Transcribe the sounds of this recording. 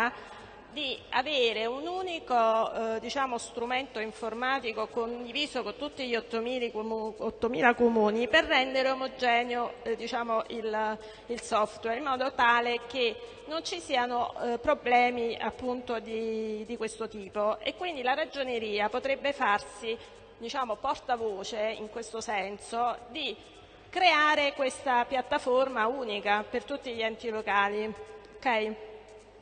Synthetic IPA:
d̪ia̰veːɾeunuːnikod̪it͡ʃaːmost̪ɾument̪oiɱformaːt̪ikokond̪iviːzokont̪ut̪ːiʎiot̪ːomiːlot̪ːomiːlakomuːniperːɛnd̪eɾeomod͡ʒɛːnjod̪it͡ʃaːmoʔil | ilsɔft̪wɛɾimɔːd̪ot̪aːleke | nont͡ʃisiːanopɾoblɛːmia̰pːunt̪od̪id̪ikwest̪ot̪iːpoḛkːwind̪ilaɾad͡ʒoneɾiːapot̪ɾebːefarsi | d̪it͡ʃaːmopɔrt̪avoːt͡ʃeḭŋkwest̪osɛnsod̪i | kɾeaːɾekwest̪apjat̪ːaformauːnikapert̪ut̪ːiʎiɛnt̪ilokaːliokɛj

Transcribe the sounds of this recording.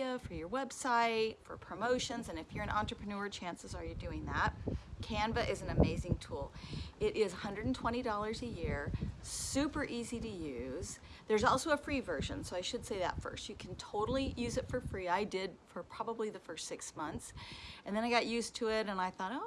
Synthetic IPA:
əfə˞jə˞wɛb̥saɪtfə̰˞pʰɹ̥ɨmoʊʃɨ̃nzɨ̃nɨfjə˞ɨ̃nʔɑ̰̃ntɹ̥əpʰɹ̥ɨnʊɹt͡ʃʰæ̃nsɨzə˞jɨdʉɪ̃ŋðət̚kʰæ̃nvɨʔɪz̃n̩ɨmeɪzɪ̃ŋtʰulˠɪɾʔɪz̥hʌ̃ndɹɨdn̩tʰw̥ɛ̃ɾ̃idɔlˠə˞zɨjɪɹsʉpə˞ʔiziɾɨjʉz̥ | ðə˞zɔlˠsoʊəfɹivɜ˞ʒɨ̰̃nsoʊaɪʃɨd̥seɪðə̰tfɜ̰˞stɨkʰn̩tʰoʊɾl̩ˠijʉzɨtfə˞fɹiaɪdɪdfə˞pʰɹ̥ɑbəbliðɨfɜ˞stsɪksmʌ̃nθsɨ̃nðɨ̃naɪɡɑʔjʉstʰɨɪɾɨ̃naɪθɔɾoʊ

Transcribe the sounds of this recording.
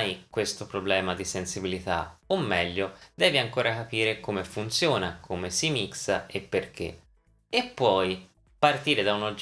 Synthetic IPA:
jkwest̪opɾoblɛːmad̪isensibilit̪a̰omːɛʎːod̪ɛːviaŋkoːɾakapiːɾekomefunt̪sjoːnakʰomesimiksaepːerk̟ḛ | epːwɔj | part̪iːɾed̪aunod͡ʒ

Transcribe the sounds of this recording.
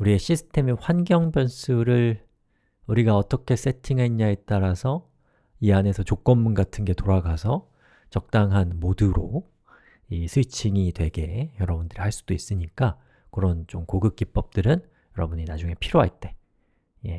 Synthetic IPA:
uɾieɕʰisʰɯ̥tʰe̞miɸwanɡjʌŋbjʌns͈ʰuɾɯɭ | uɾiɡaʌt͈ʌkʰe̞s͈e̞tʰiŋɦainɲaet͈aɾasʰʌ | iane̞sʰʌt͡ɕok͈ʌnmunɡatʰɯnɡe̞toɾaɡasʰʌ | t͡ɕʌk̚t͈aŋɦanmoduɾo | isʰɯt͡ɕʰiŋitwe̞ɡe̞jʌɾʌbundɯɾihaɭs͈ud̥ois͈ɯɲik͈a | kɯɾʌnt͡ɕomkoɡɯk̚k͈ip̚p͈ʌp̚t͈ɯɾɯn | jʌɾʌbuɲinad͡ʑuŋe̞pʰiɾjoɦaɭt͈e̞ | je̞

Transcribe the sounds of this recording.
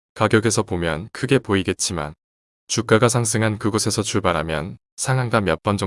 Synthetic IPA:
kaɡjʌɡe̞sʰʌpomjʌnkʰɯɡe̞poiɡe̞t̚t͡ɕ͈ima̰n | t͡ɕuk͈aɡas̬ʰaŋs̬ʰɯŋɦankɯɡʌsʰe̞sʰʌt͡ɕuɭbaɾɦamjʌ̰n | sʰaŋɦaŋɡamjʌp͈ʌnd͡ʑʌ

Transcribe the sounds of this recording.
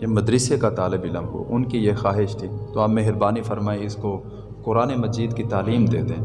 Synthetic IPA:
jemɐd̪ɾɪsekat̪aːlɪbilɐ̃mbṵʔʊnkijexaːɦɪʃt̪ʰiːt̪oaːpmeɦɪɾbaːnifɐɾmaːeɪsko | kʊɾaːnemɐd͡ʒiːd̪kit̪aːliːmd̪ḛːt̪eɦɛ̃

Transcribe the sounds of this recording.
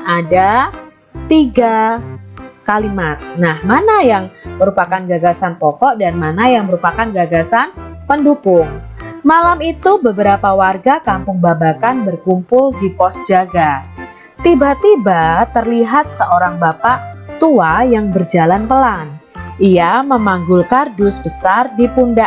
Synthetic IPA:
ada | t̪iɡa | kalimat̪̚nahmanajaŋməɾupakanɡaɡasanpɔkɔʔdanmanajaŋməɾupakanɡaɡasanpəndukʊŋmalamit̪ubəbəɾapawarɡakampʊŋbabakanbərkumpʊldipɔsd͡ʒaɡa | t̪ibat̪ibat̪ərliɦat̪̚səʔoɾaŋbapaʔt̪uajaŋbərd͡ʒalanpəlanʔiaməmaŋɡʊlkardʊsbəsardipunda

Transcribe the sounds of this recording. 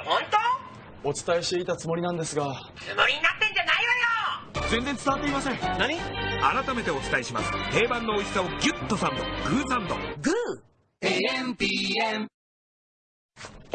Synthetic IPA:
hõnt̪o | o̞t͡sɨ̥t̪aeɕt̪e̞it̪at͡sɨmo̞ɾʲinãnd̪e̞sɨɡa | t͡sɨmoɾʲiɲinat̪ːẽ̞ɲ̟d͡ʑanaiojod͡zẽ̞nd͡zẽnt͡sɨ̥t̪aat̪ːeimasẽ̞ŋnaɲ̟iaɾat̪ame̞t̪e̞o̞t͡sɨ̥t̪aeɕima̰sɨ̥h̪e̞ːbãnːo̞ːisi̥saoɡʲɨ̟t̪ːo̞sãnd̪o̞̰ɡɯ̟ːsãnd̪o̰ɡɯ | mpi

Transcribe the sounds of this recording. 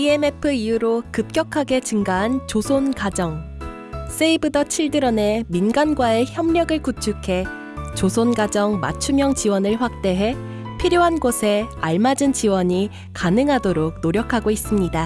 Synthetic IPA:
ieme̞pʰɯijuɾokɯp̚k͈jʌkʰaɡe̞t͡ɕɯŋɡaɦant͡ɕosʰonkad͡ʑʌŋ | s͈eibɯdʌt͡ɕʰiɭdɯɾʌne̞minɡanɡwae̞çjʌmɲʌɡɯɭkut͡ɕʰukʰe̞ | t͡ɕosʰonɡad͡ʑʌŋma̰t͡ɕʰumjʌŋt͡ɕiwʌnɯɭɸwak̚t͈e̞ɦe̞ | pʰiɾjoɦanɡosʰe̞aɭmad͡ʑɯnt͡ɕiwʌɲi | kanɯŋɦadoɾok̚noɾjʌkʰaɡois͈ɯmɲida

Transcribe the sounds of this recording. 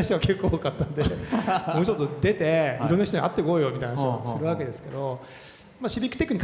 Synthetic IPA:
açit̪oake̞kːoːokat̪ːanod̪emoːt͡ɕo̞t̪ːod̪e̞t̪e̞iɾɾonːaçit̪oɲiʔa̰t̪ːeoko̞ːjo̞mit̪aijnaosɨɾɯ̟βake̞d̪e̞sɨ̥ke̞d̪o̞ | maɕibʲikt̪e̞ki̟ɲ̟ik

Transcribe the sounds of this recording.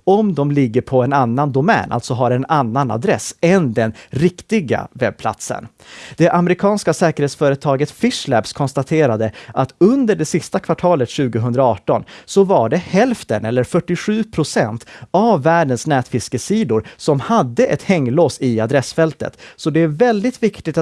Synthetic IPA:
ɔmd̪ɔmlɪɡːəɾpʰɔɛnanːand̪ʊmɛ̰ːnʔa̰lt̪sɔɦaɾɛnanːana̰d̪ɾɛsɛnd̪ɛnɾɪkt̪ɪɡa̰vɛb̚pʰla̰t̪sə̰n | d̪̥ɛʔamɛɾɪkʰɑːnskasɛːkəɾheːt̪sfœːɾət̪ʰɑːɡət̪fɪʂlæbskʰɔnst̪at̪ʰeːɾad̪əʔat̪ɵnd̪əɖɛsɪst̪akʰvaʈʰɑːlət̪ɕʉ̟ːɡəɦɵnd̪ɾaɑːʈɔnsɔvaɖɛhɛlft̪ənɛlːəɾfœʈːɪɧʉ̟ːpʰɾʊsɛnt̪avːæːɖənsnɛːt̪fɪskəsiːd̪ʊɾsɔmhad̪ːəʔɛt̪hɛŋːloːsɪad̪ɾɛsfɛlt̪ə̰t̪sɔd̪ɛæɾvɛld̪ɪt̪vɪkt̪ɪt̪

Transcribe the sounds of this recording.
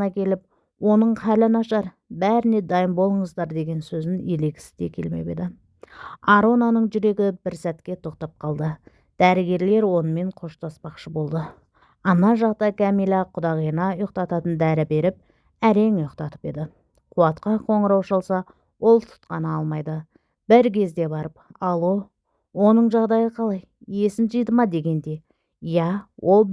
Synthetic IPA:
nɑkʲʰe̞lɪp̚ | wo̞nəɴqʰælɪnɑʃɑɾ | bæɾɪne̞d̪ɑjəmbo̞lˠəɴəzd̪ɑɾd̪e̞ɡʲe̞nsɵzɪnele̞kʲɪ̥sɪ̥zd̪e̞̰kʲʰe̞̰lme̞̰pe̞̰d̪ɪ | ɑɾo̞nɑnəɴʒʏɾe̞ɡʲɪbɪɾsæt̪kʲe̞t̪ʰo̞qt̪ɑp̚qʰɑlˠd̪ə | d̪̥æɾɪɡʲe̞ɾle̞ɾwo̞nəme̞ɴqʰo̞ʃt̪ɑspɑqʃəbo̞lˠd̪ə | ɑnːɑnʒɑqt̪ɑjkʰamijlˠɑqʰʊd̪ɑʁijnɑjoq̚t̪ɑt̪ɑt̪ənd̪æɾɪbe̞ɾɪp̚ | æɾe̞ŋjoqt̪ɑt̪əpe̞d̪ɪ | qʰuɑt̪qɑqʰo̞ɴəɾɑwʃɑlˠsɑ | wo̞lˠt̪ʰʊ̥t̪qɑnəɑlˠmɑjd̪ə | b̥ɪɾkʲʰe̞zd̪e̞bɑɾəpɑlˠwo | wo̞nəɴʒɑʁd̪ɑjəqʰɑlˠɑj | je̞sɪnʒəjd̪əmɑd̪e̞ɡʲe̞nd̪e̞ | jɑwʔo̞lˠ

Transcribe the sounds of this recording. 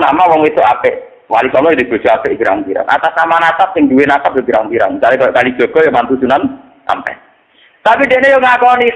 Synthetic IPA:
namawɔŋwit̪ʊʔapɪʔ | walisɔlɔjid̪ib̥o̤̥d͡ʒ̥ɔapɪʔbiɾa̰ŋpiɾa̰nʔa̰t̪asamanat̪ap̚sɪŋd̪uwenakap̚jebiɾaŋmpiɾaŋt͡ʃalikɔkali̥d͡ʒ̥ɔ̤ɡ̥ɔ̤jomant̪usunan | ʔa̰mpɛ̰ | t̪apid̪eʔnejoŋakɔni

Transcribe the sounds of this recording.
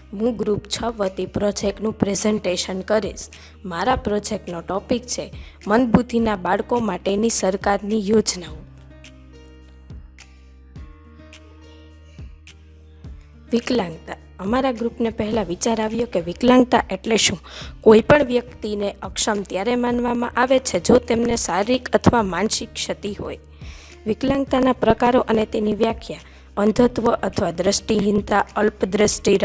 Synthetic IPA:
ɦũɡɾupt͡ʃʰəʋət̪ipɾɔd͡ʒek̚ʈnũpɾezɛɳʈeʃənkəɾiʃ | maɾapɾɔd͡ʒek̚ʈnoʈɔpikt͡ʃʰe | mənd̪bʱut̪inabaɭkomaʈenisəɾkaɾnijod͡ʒnaũ | ʋiklãŋɡt̪a | əmaɾaɡɾupnepəɦɛlaʋit͡ʃaɾaʋjokeʋiklãŋɡt̪aʔeʈleʃũkoipəɳʋjək̚t̪ineʔəkʃəmt̪jaɾemanʋamã̰ʔaʋet͡ʃʰed͡ʒot̪emnesaɾikət̪ʰʋamanʃɪkʃət̪iɦo̰j | ʋiklãŋɡt̪anapɾəkaɾoʔənet̪eniʋjakʰja | ənd̪ʱət̪ʋəʔət̪ʰʋad̪ɾəʃʈiɦind̪aəlpd̪ɾəsʈiɾ

